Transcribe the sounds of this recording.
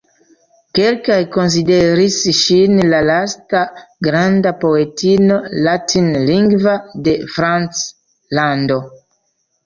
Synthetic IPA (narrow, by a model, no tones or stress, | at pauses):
kelkajko̞ns̬ideɾisʃinlalastaɡɾandapo̞etino̞latʰinliŋɡvade̞fɾant͡s | lando̞